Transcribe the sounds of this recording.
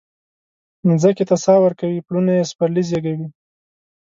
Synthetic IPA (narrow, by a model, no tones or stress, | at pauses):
nzaket̪asɑwəɾkawiplunajespaɾlizjaɡawi